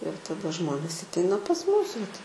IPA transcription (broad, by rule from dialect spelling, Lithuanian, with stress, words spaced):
ɪr tɐˈdɐ ˈʒmoːnʲeːs ɐtʲˈɛɪnɐ pɐs ˈmuːs ʋɐt